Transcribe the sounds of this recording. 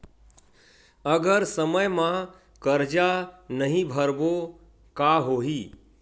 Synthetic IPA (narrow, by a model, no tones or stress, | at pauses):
əɡəɾsəməjmã | kəɾd͡ʒanəɦĩbʱəɾbo | kaɦoɦi